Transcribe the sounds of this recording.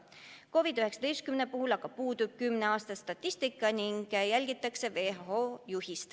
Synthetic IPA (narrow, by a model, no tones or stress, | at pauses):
ko̞vid̪yɦe̞ksɑ̥t̪ejst̪̚kymnepuhulɑɡ̥ɑpuːd̪ub̥̚kymneɑːst̪ɑst̪ɑt̪ʲːˑist̪ikːˑɑniŋɡ̥jælʲɡit̪ːˑɑkse̞ve̞hɑɦoːjuɦist̪